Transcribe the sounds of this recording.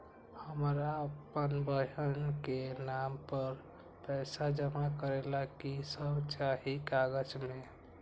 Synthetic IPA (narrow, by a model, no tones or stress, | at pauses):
həmɾaəpənbəɦənkenampəɾ | pɛsad͡ʒəmakəɾelakisəbt͡ʃaɦikaɡəd͡ʒme